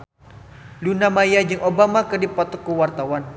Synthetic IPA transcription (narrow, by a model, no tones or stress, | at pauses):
lunamajad͡ʒɨŋʔobamakərdipɔt̪ɔkːəwart̪awan